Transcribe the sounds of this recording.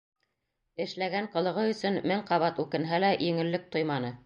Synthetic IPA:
ɘ̆ʃlæɡæɴqɤ̆lˠɤ̆ʁɤɵ̆sɵnmɘɴqɑβɑt̪ʉkɘ̆nɦælæjʔɘ̆ŋɘ̆lːɘk̚t̪ojmɑnɤ

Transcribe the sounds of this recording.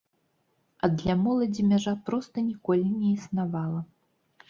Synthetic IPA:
ɐd̪lʲamɔlˠɐd͡zʲimʲaʐapɾɔst̪ɐnʲikɔlʲinʲɛisnavalˠɐ

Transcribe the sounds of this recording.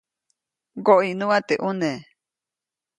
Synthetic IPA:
ɡoʔinũat̪eʔune

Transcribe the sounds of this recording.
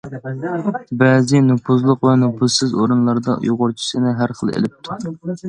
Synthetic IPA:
bɛzɪnupʰuzlˠʊqvɛnupʰusɨzoɾɨnlˠɑɾd̪ɑ̰joʁʊɾt͡ʃʰi̥sɨnɪɦæɾχəlˠḛlɪp̚t̪ʰu

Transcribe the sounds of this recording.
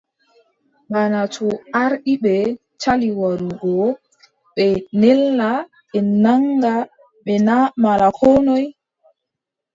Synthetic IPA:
ŋɡanatʰɔaɾɗiɓɛ | t͡ʃaliwaɾuɡɔ | ɓɛnɛlːa | ɓɛnaŋɡa | ɓɛnamalakʰɔnɔj

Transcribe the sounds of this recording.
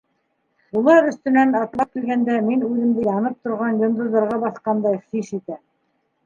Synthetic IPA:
ulˠɑɾɵ̆st̪ɵ̆nænɑt̪lˠɑp̚kilɡænd̪æminʉðɘ̆md̪ɘjɑnɤp̚t̪ŏɾʁɑnjŏnd̪ɤ̆ðːɑ̆ɾʁɑbɑθqɑnd̪ɑjχiʃit̪æ

